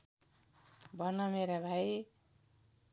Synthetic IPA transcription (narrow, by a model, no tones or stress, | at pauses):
bʱʌnʌmeɾabʱaj